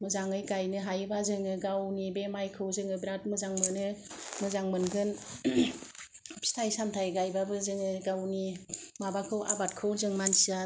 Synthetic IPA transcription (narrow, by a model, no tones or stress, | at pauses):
mɯzaŋɯjɡajnɯɦajbazɯŋɯɡawnibemajkʰɯwzɯŋɯbɾat̚mɯzaŋmɯnɯmɯzaŋmɯnɡɯn | stʰajsamtʰajɡajbabɯzɯŋɯɡawnimabakʰɯwʔa̰bat̚kʰɯwzɯŋmansia